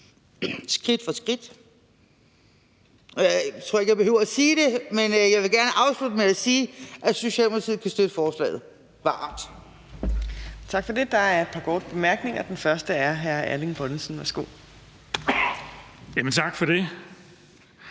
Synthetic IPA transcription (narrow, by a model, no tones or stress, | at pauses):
sɡ̥ʁid̥fɒ̽sɡ̥ʁid̥ | ʔɒjɑɪt͡sʰo̝ɐe̝ɡ̥jɪbe̝høʊɐæsiːd̥e̝menəjɑɪʋe̝lɡ̥æɐnəʔɑ̈ʊslud̥əmeæsiːʔæso̝ɕɛ̰ːlmʁt͡sʰið̰̩ˠkʰæsd̥ød̥əfɒːslɛ̰ːð̩ˠ | ʋɑ̰̈ːd̥ | t͡sʰɑ̈ɡ̥fɒ̽d̥e̝d̥ɑ̈æɐe̝d̥pʰɑ̈ɡ̥ʰɔd̥̚b̥e̝mæɐɡ̥ne̝ŋɐd̥enfɶɐsd̥əæɐɦæɐælinb̥ɔn̩sn̩ʋæɐsɡ̥o̝̰ː | jæmənt͡sʰɑ̈ɡ̥fɒd̥e